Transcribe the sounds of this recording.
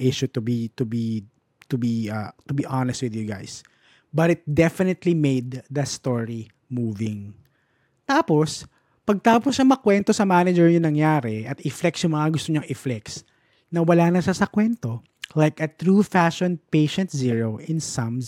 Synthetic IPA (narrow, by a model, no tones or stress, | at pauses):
ʔɪʃut̪ʊbit̪ʊbi | t̪ʊbiɐt̪ʊbiʔanɛst̪wɪðjuɡa̰js | bɐt̪ɪt̪̚d̪ɛfɪnɪt̪limejd̪ːɐst̪oɹi | muːvɪ̃ŋ | t̪aːpos | pɐɡ̚t̪aːposʃɐmɐkwɛnt̪osɐmanɐd͡ʒɛɹjʊnɐŋjaːɾɛʔɐt̪ɪflɛksjʊŋmɐŋaɡʊst̪oɲɐŋʔɪflɛks | nɐwɐlaːnɐʃasɐkwɛnt̪o | lajkɐt̪ɹufaʃɔ̃npeɪʃɛ̃nt̪̚ziɹoʔɪ̃nsɐ̃m